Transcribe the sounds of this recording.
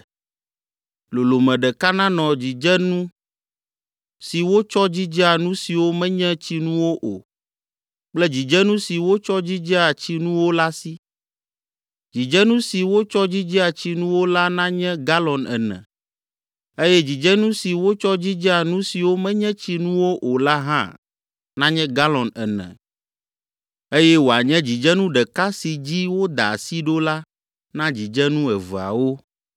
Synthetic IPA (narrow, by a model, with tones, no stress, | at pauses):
lo˨lo˨mɛ̃˨ɖɛ˨ka˦nã˦nɔ̃˨d͡ʑi˨d͡ʒɛ˦nũ˦ | si˨wo˦t͡ʃɔ˦d͡ʑi˦d͡ʒɛ˦a˨nũ˦si˨wo˦mɛ̃˦ɲɛ̃˦t͡ɕi˦nũ˦wo˦ʔo̰˨ | k͡plɛ˦d͡ʑi˨d͡ʒɛ˦nũ˦si˨wo˦t͡ʃɔ˦d͡ʑi˦d͡ʒɛ˦a˨t͡ɕi˦nũ˦wo˦la˦si˦ | d͡ʑi˨d͡ʒɛ˦nũ˦si˨wo˦t͡ʃɔ˦d͡ʑi˦d͡ʒɛ˦a˨t͡ɕi˦nũ˦wo˦la˦nã˦ɲɛ̃˦ɡa˦lɔ̃˨nɛ̰˨nɛ̰̃˨ | e˦jɛ˦d͡ʑi˨d͡ʒɛ˦nũ˦si˨wo˦t͡ʃɔ˦d͡ʑi˦d͡ʒɛ˦a˨nũ˦si˨wo˦mɛ̃˦ɲɛ̃˦t͡ɕi˦nũ˦wo˦ʔo˨la˦ɦã˦ | nã˦ɲɛ̃˦ɡa˦lɔ̃˨nɛ˨nɛ̰̃˨ | e˦jɛ˦wo˨a˨ɲɛ̃˦d͡ʑi˨d͡ʒɛ˦nũ˦ɖɛ˨ka˦si˨d͡ʑi˦wo˦d̪a˨a˨si˦ɖo˦la˦ | nã˦d͡ʑi˨d͡ʒɛ˦nũ˦ɛ˨və˨a̰˨wo˦